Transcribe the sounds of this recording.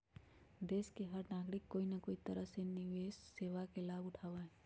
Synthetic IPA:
d̪eːʃkeɦəɾnaːɡɾɪkːoːinakoːit̪əɾəɦsenɪʋeːʃseːʋakelaːbʊʈʰaːʋaɦɛː

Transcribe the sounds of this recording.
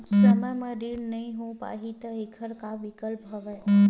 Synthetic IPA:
səməjmə̃ɾiɽnəĩɦõpa̰ɦit̪əekʰəɾkaʋikəlpɦəʋə

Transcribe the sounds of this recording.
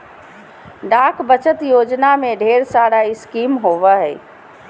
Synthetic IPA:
ɖakbət͡ʃət̪jod͡ʒnameɖʱeɾsaɽaɪskimɦoʋəɦɛɪ

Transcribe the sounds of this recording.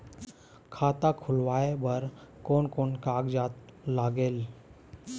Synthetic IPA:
kʰat̪akʰulʋajebəɾkoɳkoɳkaɡd͡ʑat̪laɡel

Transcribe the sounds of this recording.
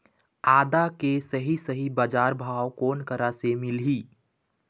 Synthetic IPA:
aːd̪akesəɦisəɦibaːd͡ʒaːɾbʱaːwkoːnkəɾasemɪlɦiː

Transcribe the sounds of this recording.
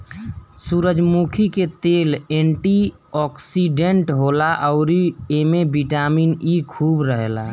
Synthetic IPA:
suɾəd͡ʒmukʰiket̪eleɳʈi | ɔksiɖeɳʈɦolaʔəʊɾiemebiʈaminikʰubɾəɦela̰

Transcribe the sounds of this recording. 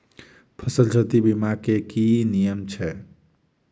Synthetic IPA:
pʰəsəld͡ʒət̪ibimakekinijəmt͡ʃʰɛ

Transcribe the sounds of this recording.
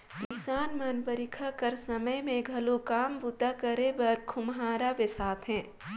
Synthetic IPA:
kɪsaːnmɐnpəɾɪkʰakɐɾsɐməjmẽɡʱɐlukaːmbʊt̪akɐɾebɐɾkʰʊmɦaːɾaʋesaːt̪ʰɦɛ̃ː

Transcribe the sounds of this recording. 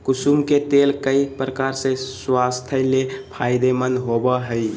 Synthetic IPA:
kusumket̪elkəipɾəkaɾsẽswast̪ʰəlepʰajd̪emənɦobəɦəj

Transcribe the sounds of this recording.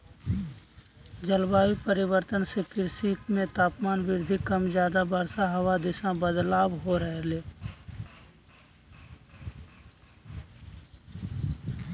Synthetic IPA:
d͡ʒəlbaːipəɾɪwəɾt̪ənsekɪɾsiːkʰmẽt̪aːpmaːnʋɪɾd̪ʱikəmd͡ʒjaːd̪abəɾsaɦɐwad̪ɪʃãbəd̪laːbɦoɾəɦeleː

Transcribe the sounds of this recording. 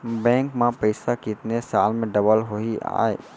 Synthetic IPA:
bɛ̃ːŋkmãpəɪsakiɪt̪nesaːlmẽɖɐbəlɦoia̰ːe

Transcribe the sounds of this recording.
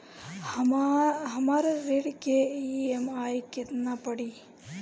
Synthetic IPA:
ɦəmaːɾaɾeɽkeiemaːjkɪt̪napəɽiː

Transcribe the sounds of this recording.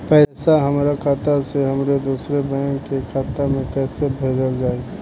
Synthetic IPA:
pɛːsaɦəmɾakʰaːt̪aseɦəmɾed̪uːsɾebɛːŋkekʰat̪ːamẽkɛːsebʱeːd͡ʒəld͡ʒaːe

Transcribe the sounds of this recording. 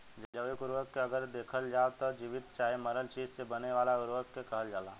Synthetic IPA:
d͡ʒəd͡ʒəʋekʊɾʋəkːeɐɡəɾd̪eːkʰəld͡ʒaːt̪ɐd͡ʒiʋɪt̪t͡ʃaːemɐɾəlt͡ʃiːd͡ʒsebɐneʋaːlaɡʊɾʋəkːekɐɦəld͡ʒaːlaː

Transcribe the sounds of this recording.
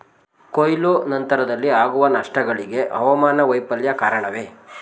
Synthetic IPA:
kojlonɐnt̪ɐɾɐd̪ɐlːiaːɡuʋɐnɐʂʈɐɡɐɭiɡe̞ʔɐ̰ʋɐmaːnɐʋɐjpɐljɐkaːɾɐɳɐʋe̞ː

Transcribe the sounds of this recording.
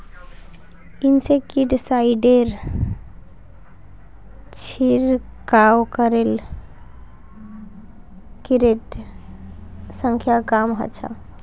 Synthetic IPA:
insekiɖsaiɖeɾ | t͡ʃʰiɾkawkəɾel | kiɾeʈ | sə̃ŋkʰjakamɦə̰t͡ʃʰa̰

